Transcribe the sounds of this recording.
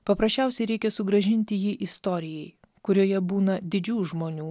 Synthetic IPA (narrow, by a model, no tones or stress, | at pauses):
pɐpɾɐsʲt͡ʃʲɛˑʊsʲɛɪɾʲɛɪkʲɛsʊɡɾɐʒʲɪnʲt̪ʲɪjiːʔɪst̪oːɾʲɪjɛɪ | kʊɾʲoːjɛbuːnɐd̪ʲɪd͡ʒʲuːʒmoːnʲuː